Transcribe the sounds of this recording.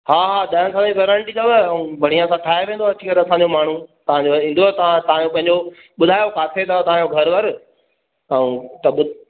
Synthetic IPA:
haːɦaːd̪ɐnsãiʋeɾə̃ɳʈit̪oʋɐũbʱɐɽ̤ijãsãʈʰaːeʋẽːnd̪oɐt͡ɕʰiːkɐɾɐsãɲd͡ʑomaːɳ̤ut̪ɐʋ̤ãɲd͡ʑoĩːnd̪oɛt̪ɐ̤ãt̪ɐʋãjõpɐ̃ɦɪ̃ɲd͡ʑo | ɓʊd̪ʱaːjokaːt̪ʰet̪ɐt̪ɐʋãjoɡʱɐɾʋɐɾ | aːũt̪ɐɓʊ

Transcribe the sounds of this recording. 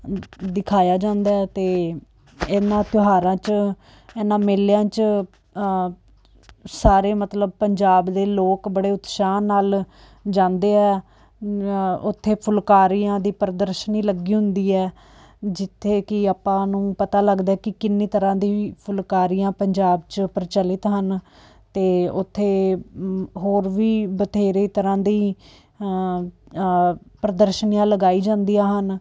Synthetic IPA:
d̪ɪkʰaːjaːd͡ʒãːnd̪aːɛt̪eː | eːnãːt̪jʊɦaːɾãːt͡ʃ | eːnãːmeːljãːt͡ʃ | saːɾeːmət̪ləb̚pəɲd͡ʒaːbd̪eːloːkbəɽeːʊt̪ʃaːnːaːl | d͡ʒãːnd̪eːɛː | ʊt̪ʰːeːpʰʊlkaːɾijãːd̪iːpəɾəd̪əɾʃəniːləɡiːɦʊnd̪iːɛː | d͡ʒɪt̪ʰːeːkɪaːpãːnũːpət̪aːləɡd̪aːɛːkɪkɪnːiːt̪əɾãːd̪iːpʰʊlkaːɾijãːpəɲd͡ʒaːbt͡ʃpəɾt͡ʃəlɪt̪ɦən | t̪eːʊt̪ʰːeː | ɦoːɾʋiːbət̪ʰeːɾeːt̪əɾãːd̪iː | pɾəd̪əɾʃənijãːləɡaːiːd͡ʒãːnd̪iːaːɦən

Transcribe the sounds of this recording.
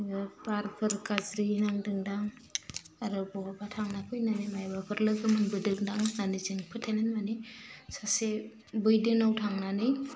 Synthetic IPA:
ɯpaɾpʰɯɾkazɾinaŋdɯŋdaŋ | aɾɯbɔabatʰaŋnapʰɯjnanɯmajbapʰɯɾlɯɡɯmɯnbɯdɯŋdaŋnanɯzɯŋpʰɯtʰenɯnmanisase | bɯjdɯŋawtʰaŋnanɯj

